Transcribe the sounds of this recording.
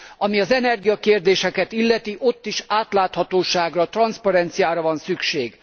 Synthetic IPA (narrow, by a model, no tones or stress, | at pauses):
ɒmiɒzɛnɛrɡijɒkeːrd̪eːʃɛkɛt̪ilːɛt̪iʔo̞t̪ːiʃaːt̪laːt̪hɒt̪oːʃaːɡrɒt̪rɒnspɒɾɛnt̪sijaːɾɒvɒnsykʃeːɡ